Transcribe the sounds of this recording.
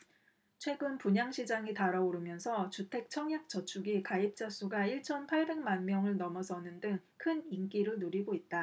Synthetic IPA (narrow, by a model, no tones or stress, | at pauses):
t͡ɕʰwe̞ɡɯnpuɲaŋɕʰid͡ʑaŋitaɾaoɾɯmjʌnsʰʌt͡ɕutʰe̞k̚t͡ɕʰʌŋjak̚t͡ɕ͈ʌt͡ɕʰuɡikaip̚t͡ɕ͈as͈ʰuɡaiɭt͡ɕʰʌnpʰaɭbe̞ŋmanmjʌŋɯɭnʌmʌsʰʌnɯndɯŋkʰɯniŋk͈iɾɯnoɾiɡoit̚t͈a